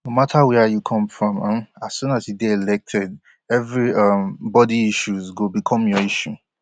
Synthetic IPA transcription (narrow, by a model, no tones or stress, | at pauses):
nomatʰawɛjukʰɔ̃mfɹɔ̃mʌ̃masũnasjudeɛlɛk̚tʰɛd | ɛvɹiʌmbɔdiiʃuzɡobikʰɔ̃mjɔiʃu